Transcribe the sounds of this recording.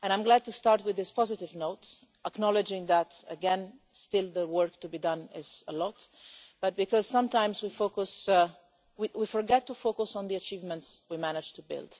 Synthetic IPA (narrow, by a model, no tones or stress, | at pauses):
ɛ̃ñãɪ̃mɡlæd̚tustɑɹt̚wɪððɪspɔzɪtɪvnoʊt | ʔəknɔlɪd͡ʒɪ̃ŋðætə̰ɡɛ̃nstɪlˠðəwɜ˞ktubidʌ̃nɪz̥əlɔt | b̥ʌt̚b̥ɪkɔz̥sʌ̃mtãɪ̃mzwifokus | wiwifɔɹɡɛtːufokusɔ̃n̩ðiət͡ʃivmə̃ntswimænɨd͡ʒ̥tubɪ̰lˠd̥